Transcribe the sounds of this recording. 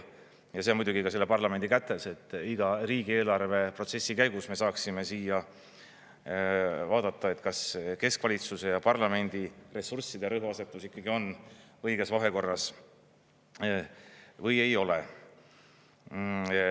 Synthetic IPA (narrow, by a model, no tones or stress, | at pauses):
jɑseːnmujd̪uɡ̥ikɑse̞lːe̞pɑrlɑme̞nd̪̥ikæt̪ːˑe̞se̞t̪ːˑiɡ̥ɑriːɡ̥ie̞ːlɑrve̞pro̞t̪se̞sːikæjɡ̥usme̞sɑːksime̞siːjɑ | vɑːd̪ɑt̪ːˑɑe̞t̪ˑkɑske̞skvɑlʲit̪suse̞jɑpɑrlɑme̞nd̪̥ire̞sursːid̪eɾɤɦuɑse̞t̪ːˑusikːɑɡ̥io̞nɤjɡe̞svɑɦe̞ko̞rːɑs | vɤje̞jo̞le